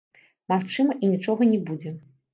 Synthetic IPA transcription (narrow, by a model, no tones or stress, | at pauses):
maxt͡ʂɨmɐʔinʲit͡ʂɔɣɐnʲɛbud͡zʲɛ